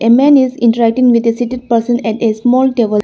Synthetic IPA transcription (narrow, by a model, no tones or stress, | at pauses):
ʔemæ̃ːnizɪ̃ɳʈəɾæk̚ʈĩŋʋid̪esiʈiɖ̚pəɾsə̃nɛʈesmɔːlʈeʋə